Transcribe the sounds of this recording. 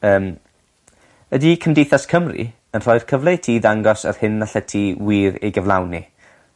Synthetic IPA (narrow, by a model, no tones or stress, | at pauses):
əːm | ədikʰəmdejθaskʰəmrḭ | ənr̥ɔɨr̥kʰəvlˠejtʰiːðaŋɡɔsə̰r̥hɪnːaɬɛtʰiwiːɾḛjɡəvlˠa̰wnḭ